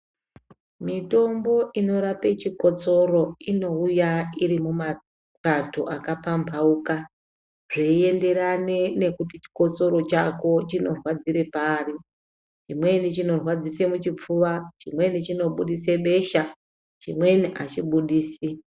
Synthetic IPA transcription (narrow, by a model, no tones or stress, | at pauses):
mito̞mbo̞ʔino̞ɾape̞t͡ʃiko̞t͡so̞ɾo̞ino̞ujaiɾimuma | patoʔakapampʰauka | ʐeie̞nde̞ɾanene̞kutit͡ʃi̥ko̞t͡so̞ɾo̞t͡ʃako̞t͡ʃino̞rwad͡ziɾe̞paːri | t͡ʃimwe̞nit͡ʃino̞rwad͡zise̞mut͡ʃip͡fuʋat͡ʃimwe̞nit͡ʃino̞ɓuɗise̞ɓe̞ʃa | t͡ʃimwe̞niʔat͡ʃiɓuɗiːsi